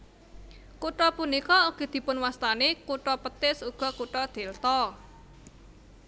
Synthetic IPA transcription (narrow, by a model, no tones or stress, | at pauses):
kuʈɔpunikɔuɡ̥ed̪̥i̤pʊnwast̪anekuʈɔpət̪ɪsuɡ̥ɔ̤kuʈɔd̪̥e̤lt̪ɔ